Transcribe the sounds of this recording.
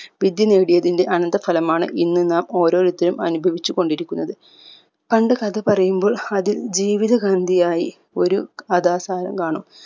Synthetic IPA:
ʋid̪jɐneːɽijɐðinde̞ʔɐnɐnd̪ɐfɐlɐmaːɳɨ̰ʔinːɨnaːmo̞ːɾo̞ːɾut̪ːilumɐ̰nubʱɐʋit͡ɕːuko̞ɳɖiɾikʲːunːɐðɨ | pɐɳɖɨkɐðɐpɐrɐjumbo̞ːɭɐðild͡ʑiːʋiðɐɡɐnd̪ʱijaːjḭ | o̞ɾuɐðaːsaːɾɐ̰mkaːɳum

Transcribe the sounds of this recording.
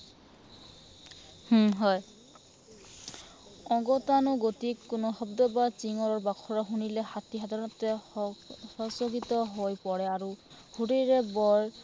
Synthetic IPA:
hɦɔj | ɔ̃ɡɔtanɔɡotikːʊnɔxɔbd̪ɔbat͡ʃiŋɔɹɔɹbakʰɔɹɔɦunilɛhatiɦadʱaɹɔnɔtɛ | hɔsɔɡitɔɦojpɔɹɛaɹu | hudejɹɛbɔɹ

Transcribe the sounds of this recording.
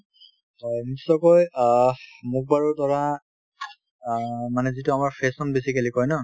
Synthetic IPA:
hɔjnisɔkɔj | muk̚baɹutɔɹa | manɛzitʊamaɹpʰesɔnbesikelikɔjnɔ

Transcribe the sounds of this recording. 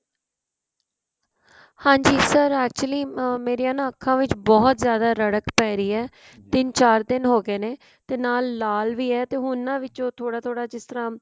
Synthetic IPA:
hãːɲd͡ʒiːsəɾɛːk̚t͡ʃuəliːmeːɾijãːnãːkʰːãːʋɪt͡ʃbɔːt̪zjaːd̪aːɾəɽəkpɛːɾiːɛː | t̪ɪnt͡ʃaːɾd̪ɪnɦoːɡeːneː | t̪eːnaːlːaːlʋiːɛːt̪eːɦʊnːãːʋɪt͡ʃõːt̪ʰoːɽaːt̪ʰoːɽaːd͡ʒɪst̪əɾãː

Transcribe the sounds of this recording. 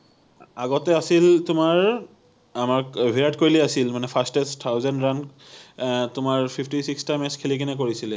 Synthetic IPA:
aɡɔtɛasiltʊmaɹ | amaɹbʱiɹatkoɹilɛasilmanɛpʰastɛstʰawzɛndɹan | tʊmaɹpʰipʰtisikstajmɛskʰilikinɛk̬oɹisilɛ

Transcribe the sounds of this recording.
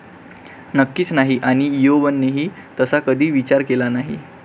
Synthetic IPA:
nəkːiːt͡snaɦiʔaɽ̃ijobənːeɦiː | t̪əsakəd̪ʱiːʋit͡ɕaɾkelanaɦḭ

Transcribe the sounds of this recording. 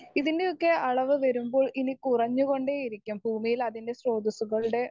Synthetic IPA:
iðindeokːe̞ɐɭɐʋɨʋɐɾumbo̞ːɭinikurɐɲːuɣo̞ɳɖeːjiɾikʲːumbʱuːmijilɐðinde̞sro̞ːd̪isuɣɐɭuɽe̞

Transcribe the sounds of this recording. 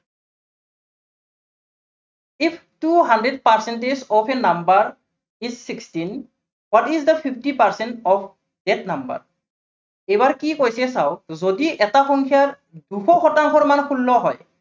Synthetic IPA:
ipʰtuɦandɹɛdpaɹsɛntezɔpʰɛnambaɹ | izːikstin | wɔtizdəpʰipʰtipaɹsɛntɔpʰ | dɛt̚namba̰ɹ | ejbaɹkikojsɛsaʊzodiʔɛtaxɔŋkʰiaɹ | duxɔxɔtaŋkʰɔɹmankʰulːɔɦɔj

